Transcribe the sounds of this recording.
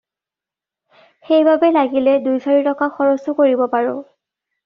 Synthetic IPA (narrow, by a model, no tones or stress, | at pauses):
xejbʱabɛlaɡilɛdujsaɹitɔkaxɔɹɔsʊkoɹibɔpaɹʊ